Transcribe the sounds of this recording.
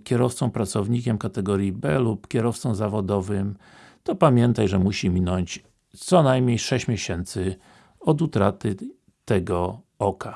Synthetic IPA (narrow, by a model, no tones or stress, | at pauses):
kʲɛɾɔft̪sɔ̃w̃pɾat̪sɔvɲikʲɛmkat̪ɛɡɔɾʲjibɛlupkʲɛɾɔft̪sɔ̃w̃zavɔd̪ɔvɘm | t̪ɔpamʲjɛnt̪ajʐɛmuɕimʲinɔɲt͡ɕ | t̪sɔnajmɲejʂɛɕt͡ɕmʲjɛɕɛnt̪sɘ | ɔd̪ut̪ɾat̪ɘ | t̪ɛɡɔɔkʰa